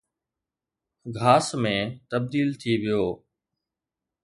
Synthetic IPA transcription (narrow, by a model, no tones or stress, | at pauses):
ɡʱaːsmẽːt̪əb̚d̪iːlt̪ʰiʋɪjoː